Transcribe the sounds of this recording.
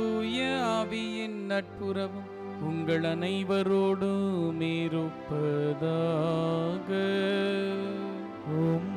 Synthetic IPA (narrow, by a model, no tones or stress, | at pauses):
uːjɐɐʋɪjɪnnɐʈ̚pɯɾɐʋɯm | ʊŋɡɐɭɐnɐɪʋɐɾoːɽɯmeːɾɯpːɐðaː | ɣɐ | om